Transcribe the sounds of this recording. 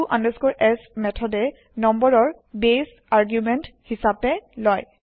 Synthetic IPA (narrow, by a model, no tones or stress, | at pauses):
uʔãndəskɔɹʔɛsmɛtʰɔdɛ | nɔmbɔɹɔɹ | bes | aɹɡjumɛnthisapɛlɔj